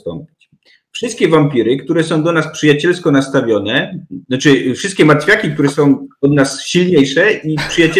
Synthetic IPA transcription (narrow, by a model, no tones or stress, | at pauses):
t̪ɔ̰mpʲit͡ɕ | fʂɨst̪kʲɛvampʲiɾɘkt̪uɾɛsɔ̃w̃d̪ɔnaspʂɘjat͡ɕɛlskɔnast̪avʲjɔnɛɔt͡ʂɘfʂɘst̪̚kʲɛmat̪fʲjakʲik̚t̪uɾɛsɔ̃w̃ɔd̪nasɕilɲejʂɛipʂɘjat͡ɕɛ